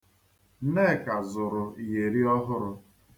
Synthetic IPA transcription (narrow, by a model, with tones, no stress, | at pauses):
ne˦˨ka˨zʊ˨ɾʊ˨i˨je˨ɾi˦ɔ˦ɦʊ˦ɾʊ˦